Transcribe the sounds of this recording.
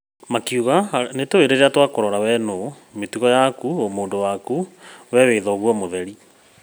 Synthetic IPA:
makiuɣanetoeɾeɾeatwakoɾɔɾawɛno | metuɣɔjakuomoːndowakuwɛweːðɔɣwɔmoðɛɾi

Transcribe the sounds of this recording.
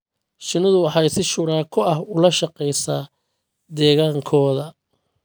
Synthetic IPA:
ʃɪnɪðʊwɑħɑjsɪʃʊɾaːkʰʊɐhʊlɐʃɑqɛjsaː | d̪ɛːɣaːŋkʰɔːðɐ

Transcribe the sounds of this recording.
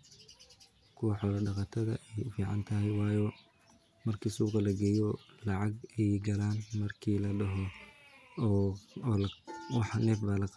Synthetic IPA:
kʰʊwɑħɔːlɐɖɑqɑt̪ʰɐðɐ̰ʔɛjfiːʕɑnt̪ʰɐɦɛjwɑːjɔː | mɐrkʰiːsuːqɑlɐɡɛːjɔlɑʕɑɡɛjɡɐlaːnmɐrkʰiːlɐɖɐɦɔ | lwɑħnɛːfbaːlɐq

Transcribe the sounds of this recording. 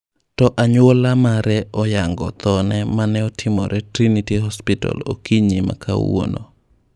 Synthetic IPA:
tɔʔaɲwolamaɾɛɔjaŋɡɔ̰t̪ɔnɛmanɛɔtʰɪmɔ̰ɾʔɛtɾinitiɦɔspɪta̰lo̰kiɲima̰kʰa̰wo̰no

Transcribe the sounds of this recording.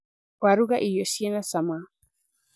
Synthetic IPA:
kwaɾuɡaʔijosienasama

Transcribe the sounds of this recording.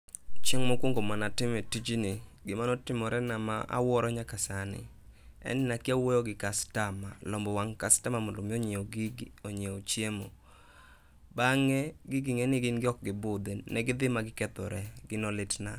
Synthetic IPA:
t͡ʃeŋmɔkwoŋɡomanatɪmɛtid͡ʒinɪɡɪmanɔtɪmɔɾɛnamaa̰wɔɾɔɲakasanɪ̰ | ɛ̰nɪnakɪawojoɡɪkastama̰lɔmbɔwaŋkastamamʊndomɪoɲeoɡɪɡoɲeot͡ʃjemo | baŋɛɡɪɡɪŋɛnɪɡɪnɡɪɔk̚ɡɪbʊd̪ɛnɛɡɪd̪ɪmaɡɪkɛt̪ɔ̰ɾɛɡɪnɔlɪtna̰

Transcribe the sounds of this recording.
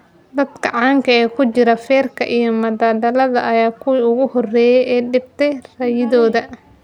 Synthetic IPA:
d̪ɐd̪kʰɐʕɑːŋkʰɐɛːkʰʊt͡ʃɪɾɐfɛːrkʰɐ̰ʔijɞmɐdaːd̪ɐlɐðɐ̰ʔɐjaːkʰʊwʊɣʊhɔrɛːjɛjʔɛːɖɪb̚t̪ʰɛjrɐjɪðɔːðɐ

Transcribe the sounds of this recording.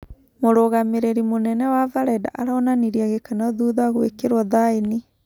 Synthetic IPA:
moɾoɣameɾeɾimonɛnɛwavaɾɛda̰ʔaɾaɔnaniɾiaɣekanaðuðaɣwḛkeɾwɔðaeni

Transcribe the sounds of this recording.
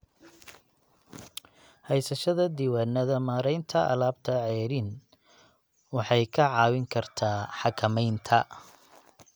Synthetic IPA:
hɛjsɐʃɐðɐd̪iːwaːnːɐðɐmaːɾɛjnt̪ʰɐʔɐ̰laːbt̪ʰɐʕɛːɾɪn | wɑħɑjkʰɐʕɑːwɪŋkʰɐrt̪ʰaːħɑkʰɐmɛjnt̪ʰɐ

